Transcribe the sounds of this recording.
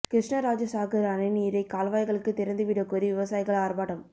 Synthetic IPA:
kɾɪʂɳɐɾaːd͡ʒɐsaːkɐɾɐnɐɪniːɾɐɪkaːlʋaːjɣɐɭɯkːɯt̪ɪɾɐnd̪ɯʋɪɽɐkɔɾiʋɪʋɐsaːjɪɣɐɭaːrbaːɽɐm

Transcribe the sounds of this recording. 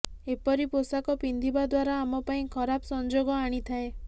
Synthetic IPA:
epɔɾiposakɔpind̪ʱibad̪waɾaːmɔpaĩkʰɔɾabsɔnd͡ʒoɡɔaɽ̃it̪ʰae

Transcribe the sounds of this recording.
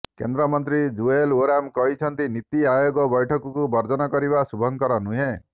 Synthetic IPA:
kḛnd̪ɾɔmɔnt̪ɾid͡ʒueluɾamkɔɦit͡ʃʰɔnt̪init̪iajoɡɔbɔjʈʰɔkɔkubɔɾd͡ʒɔnɔkɔɾiβasubʱɔŋkɔɾɔnuɦẽ

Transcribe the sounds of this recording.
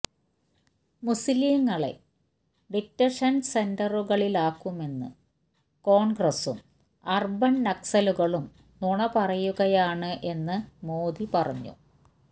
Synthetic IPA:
musilijŋːɐɭḛ | ɖik̚tːɐʂɐnsendɐruɣɐɭilaːkːume̞nːɨ̰ | ko̞ːɳɡrɐsṵm | ɐrbɐnnɐksɐluɣɐɭum | nuɳɐpɐrɐjuɣɐjaːɳɨʔe̞nːɨmoːd̪ipɐrɐ̰ɲːṵ

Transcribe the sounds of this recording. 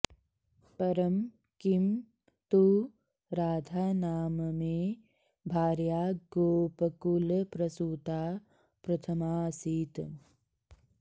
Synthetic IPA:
pɐɾɐm | kim | t̪u | ɾaːd̪ʱaːnaːmɐmeː | bʱaːɾjaːɡoːpɐkulpɾɐsuːt̪aː | pɾɐt̪ʰɐmaːsiːt̪

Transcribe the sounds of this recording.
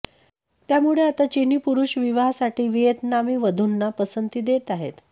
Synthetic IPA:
t̪jamuɭeat̪at͡ɕenipuɾuɕʋiʋaɦsaʈʰiːʋijət̪namiːʋəd̪ʱunːapəsənt̪iːd̪et̪aɦḛt̪

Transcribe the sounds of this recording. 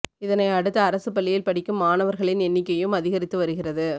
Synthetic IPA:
ɪðɐnɐɪɐɽɯt̪ːɐːɾɐsɯpɐɭːɪjɪlpɐɽɪkːɯmːaːnɐʋɐɾɣɐɭɪnɛnːɪkːɐjɯmɐðɪɣɐɾɪt̪ːɯʋɐɾɯɣɪrɐðɯ

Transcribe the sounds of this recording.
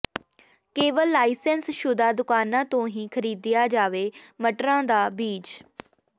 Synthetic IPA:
keːʋəlːaːisɛnsʃʊd̪aːd̪ʊkaːnãːt̪õːɦĩːkʰəɾiːd̪ɪjaːd͡ʒaːʋeːməʈɾãːd̪aːbiːt͡ʃ

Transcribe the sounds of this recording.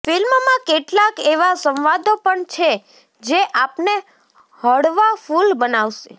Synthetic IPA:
filmmãkeʈlakeʋasə̃mʋad̪opəɳt͡ʃʰe | d͡ʒeʔapne | həɽʋafulbənaʋʃe

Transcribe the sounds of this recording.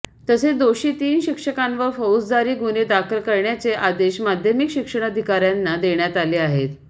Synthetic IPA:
t̪əsed̪oɕiːt̪iːnɕikʂəkãnʋəɾfəwt͡sd͡zaɾiːɡuned̪akʰəlkəɾɳjat͡seʔad̪eɕmad̪ʱjəmikɕikʂəɽ̃əd̪ʱikaɾjanːad̪eɳjat̪aliːaɦet̪

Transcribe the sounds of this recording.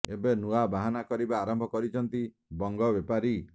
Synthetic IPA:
ebenuabaɦanakɔɾibaːɾɔmbʱɔkɔɾit͡ʃʰɔnt̪i | bɔŋɡɔbepaɾi

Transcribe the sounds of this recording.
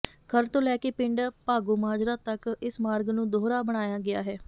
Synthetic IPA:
kʰəɾt̪õːlɛːkeːpɪɳɖpaːɡoːmaːd͡ʒɾaːt̪əkɪsmaːɾɡnũːd̪oːɾaːbəɽ̃aːjaːɡɪa̰ːɦɛː

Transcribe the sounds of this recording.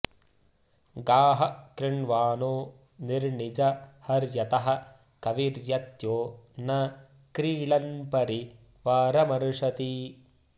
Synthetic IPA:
ɡaːɦɐkɾɪɳʋaːnoː | niɾɳid͡ʒɐhɐɾjɐt̪ɐɦɐ̆ | kɐʋiɾjɐt̪joːnɐ | kɾiːɭɐnpɐɾi | ʋaːɾɐmɐɾuʂɐt̪i

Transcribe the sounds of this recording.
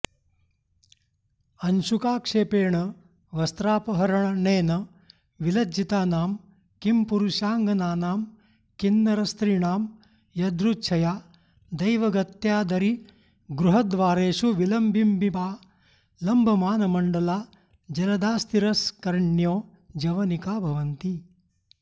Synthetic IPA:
ɐnʃukaːkʂeːpeːɳɐ | ʋɐst̪ɾaːpɐɦɐɾɐɳɐneːnɐ | ʋilɐd͡ʒit̪aːnaːm | kimpuɾuʃaːŋɡɐnaːnaːm | kinːɐɾɐst̪ɾiːɳaːm | jɐd̪ɾut͡ʃʰɐjaː | d̪ɐjʋɐɡɐt̪jaːd̪ɐɾi | ɡɾuɦɐd̪ʋaːɾeːʂuʋilɐmbimbibaː | lɐmbʱɐmaːnɐmɐɳɖɐlaː | d͡ʒɐlɐd̪aːst̪iɾɐskɐɾɳjoː | d͡ʒɐʋɐnikaːbʱɐʋɐnt̪i

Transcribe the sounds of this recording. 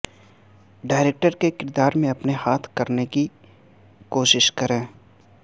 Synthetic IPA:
ɖaːɪɾeːk̚ʈəɾkekɪɾd̪aːɾmẽɐpnehaːt̪ʰkɐɾneki | koːʃɪʃkɐɾẽː

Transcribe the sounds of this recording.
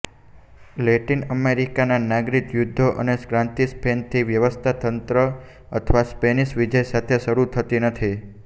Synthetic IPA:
leʈinəmeɾikananaɡɾikjud̪ʱːoʔə̰neskɾãnt̪ispent̪ʰiʋjəʋəst̪ʰat̪ənt̪ɾə | ə̰t̪ʰəʋaspeniʃʋid͡ʒəjsat̪ʰeʃəɾut̪ʰət̪inət̪ʰi

